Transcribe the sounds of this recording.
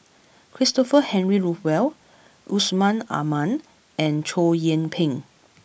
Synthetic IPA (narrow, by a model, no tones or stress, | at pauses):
kʰɹistɔfəhɛ̃nɹiɹufwɛl | ʔusmãna̰mãn | ɛ̃nt͡ʃʰojə̃npʰɪ̃ŋ